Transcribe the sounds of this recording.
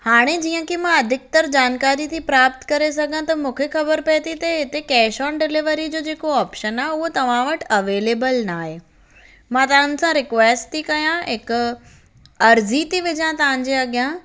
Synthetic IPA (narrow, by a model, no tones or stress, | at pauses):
haːɽ̃ed͡ʑiːə̃kimãɐd̪ʱɪk̚t̪ɐɾd͡ʑaːnkaːɾit̪ʰipɾaːpt̪kɐɾesɐɡʱə̃ãt̪ɐmũːkʰexɐbəɾpɐet̪ʰit̪ɐɦɪt̪ekɛːʃɔːnɖɪlɪʋəɾid͡ʑoːd͡ʑeːkoaːpʃənaːɦʊɦot̪ɐʋ̤ãʋɐʈɐʋeːleːbəlnaːɦe | mãt̪ɐʋ̤ə̃nɪ̆sãɾɪkʋeːsʈt̪ikɐjãɦɪkʊ | ɐɾzit̪iʋɪd͡ʑãt̪ɐʋ̤ãɲ̆d͡ʑeɐɠijã